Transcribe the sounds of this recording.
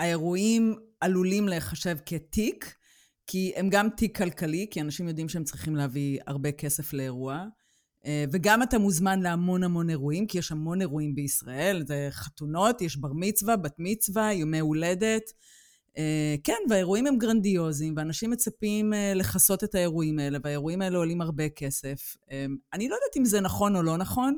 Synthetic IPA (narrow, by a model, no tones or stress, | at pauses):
ae̞ʁuimalulimleχaʃevketikː | ie̞mɡamtikʰːalkalikianaʃimjo̞d̪imʃeemt͡sʁiχimleɦavia̰ʁbe̞ke̞se̞fle̞ːʁua | veɡamat̪amuzmanleamo̞nhamo̞ne̞ʁuimkijeʃhamo̞ne̞ʁuimbeisʁae̞lzeχatuno̞tjeʃbaʁmit͡svabat̪mit͡svajomeule̞de̞t | ekenveaeʁuimhemɡʁandio̞zimveːnaʃimːet͡sapimeleχaso̞t̪e̞tae̞ʁuimae̞leveaeʁuimae̞leolimaʁbeke̞se̞femanilo̞jd̪atimzenaχo̞no̞lo̞naχo̞n